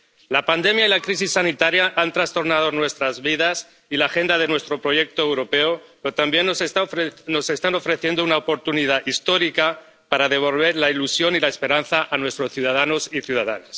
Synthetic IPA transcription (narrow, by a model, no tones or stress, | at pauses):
lapand̪e̞mjailakɾis̬isːanit̪aɾjaʔant̪ɾast̪o̞ɾnað̞o̞nwe̞st̪ɾazβiðas | ilaːxe̞nd̪að̞e̞nwe̞st̪ɾo̞pɾo̞je̞k̚t̪o̞ewɾo̞pe̞opeot̪ambje̞nːosno̞se̞st̪ano̞fɾe̞θjend̪ounaopo̞ɾt̪uniðaʔist̪o̞ɾika | paɾað̞e̞β̞o̞lβ̞e̞ɾlailusjo̞nilaespe̞ɾanθaʔanwe̞st̪ɾo̞sθjuð̞að̞ano̞siθjuðaða̰nas